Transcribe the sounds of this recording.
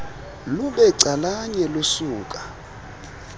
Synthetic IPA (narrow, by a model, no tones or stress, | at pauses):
luɓɛǀalaɲɛlosuːkʼa